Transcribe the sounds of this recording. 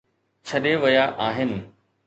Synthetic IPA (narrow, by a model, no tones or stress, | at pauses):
t͡ɕʰɐɗeʋɐjaʔaːɦɪnɪ̆